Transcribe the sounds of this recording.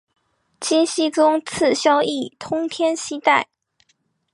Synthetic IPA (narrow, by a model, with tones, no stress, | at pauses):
t͡ɕʰi˥nɕi˥ʈ͡ʂʊ˥ŋt͡sʰɹ̩˥˩ɕjɑ˥ʊi˥˩t̪ʰʊ˥ŋt̪ʰjɛ˥nɕi˥t̪a˥˩ɪ